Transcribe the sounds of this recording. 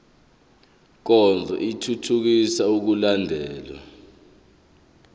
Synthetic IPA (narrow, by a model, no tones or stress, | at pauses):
k̬ɔnd͡zʱɛ̰ʔitʰutʰuk̬isauk̬ulandʱɛːlwa̰